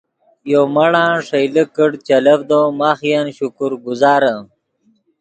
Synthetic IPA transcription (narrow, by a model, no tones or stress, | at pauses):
jomɐɽãːʂɐjləkəɽt͡ɕɐlɐbd̪oːmaːxjanɕukuɾɡuzaːɾɐ